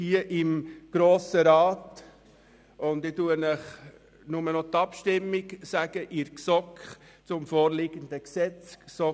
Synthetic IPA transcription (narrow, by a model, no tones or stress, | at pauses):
hiəʔɪmɡ̥ɾoːsəɾɑːt | ʊnd̪ɪtuənəχ | nʊmənɔt̪ɑpʃtɪmːiɡsæɡ̥əʔɪɾksɔkχ | t͡sʊmfɔːɾlɪɡ̥ənd̪əksɛt͡ssɔ